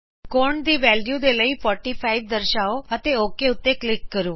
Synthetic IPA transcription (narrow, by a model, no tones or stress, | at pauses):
koːɾɳd̪iʋɛːljud̪eləipʰɔːɾʈipʰaiʋd̪əɾʃaoət̪eoːkeʊt̪ːeklɪkːəɾũː